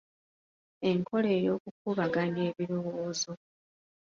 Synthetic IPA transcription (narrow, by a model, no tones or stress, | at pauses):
e̞ŋkʰo̞le̞ːjo̞ːkuk̚uβaɡane̞ːβiɾo̞woːzo̞